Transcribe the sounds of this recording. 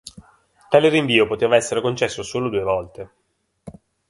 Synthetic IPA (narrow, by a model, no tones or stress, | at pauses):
t̪aːleɾiɱviːopot̪eːvaɛsːeɾekont͡ʃɛsːosoːlod̪uːevɔlt̪e